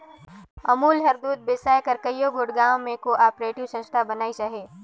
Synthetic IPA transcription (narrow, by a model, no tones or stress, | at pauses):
ɐmuːlɦɐɾd̪uːd̪̚besaːjkəɾkəjoɡʱʊɽɡaːw̃mẽkoʔaːpɾeːʈɪwsɐ̃st̪ʰabɐnaːit͡ʃaɦeː